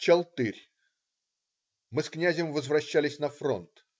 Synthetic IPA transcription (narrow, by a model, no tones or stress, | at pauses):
t͡ɕɐlˠt̪ɨɾʲ | mɨsknʲæzʲɪmvəzvrɐɕːælʲɪsʲnɐfro̰nt̪